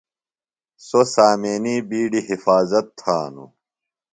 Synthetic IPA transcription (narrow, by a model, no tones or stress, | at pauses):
sosaːmeːniːbiːɖiɦifaːzɐt̪ʰːaːnṵ